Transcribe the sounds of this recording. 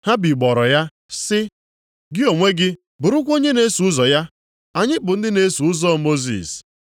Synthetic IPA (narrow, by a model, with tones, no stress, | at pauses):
ha˦bi˨ɡ͡bɔ˨ɾɔ˨ja˦ | sɪ˦ | ɡɪ˦o˨ŋʷe˦ɡɪ˦ | bʊ˨ɾʊ˦kʷo˦ɲe˦ne˦su˨˦ʊ˦zɔ˨ja˦ | a˨ɲɪ˦bʊ˨n̩˦dɪ˦ne˦su˨ʊ˦zɔ˦mo˦zḭ˨s